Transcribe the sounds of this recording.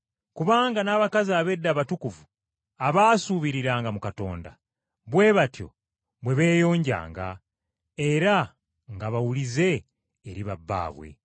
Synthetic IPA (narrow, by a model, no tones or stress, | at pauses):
kuβaːŋɡanaːβakaziaːβe̞dːaːβatukuvu | aβaːsuːβiɾiɾaːŋɡamukato̞̰ːnda̰ | βwe̞βatjo̞̰ | βwe̞βe̞ːjo̞ːɲɟa̰ːŋɡa̰ | eɾa | ŋɡaβawulize̞ː | ɾiβabːa̰ːβwḛ